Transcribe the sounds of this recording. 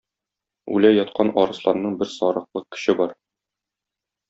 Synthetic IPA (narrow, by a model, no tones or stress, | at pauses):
ʉ̰læjɒt̪̚qɑnɒɾɤ̆slˠɑɾnɤɴbɘɾsɒɾɤ̆q̚lˠɤkɘ̥̆ɕɘbɒɾ